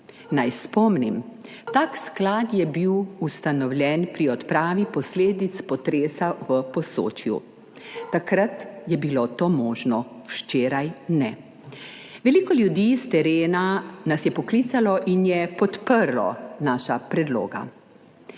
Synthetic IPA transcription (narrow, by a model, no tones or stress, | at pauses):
najspɔmnim | t̪aːksklaːt̪jɛbiwust̪anɔwlʲjɛnpɾiɔt̪pɾaːʋipɔsleːd̪it̪spɔt̪ɾeːsaʋəpɔso̰ːt͡ʃjṵ | t̪akɾat̪jɛbilot̪oːmɔːʒnɔwʃt͡ʃeːɾajnɛ | ʋɛliːkɔljud̪iːst̪ɛɾeːnanasjɛpɔklit̪salɔʔinjɛpɔt̪pəɾlɔ̰naːʃapɾɛd̪lo̰ːɡa̰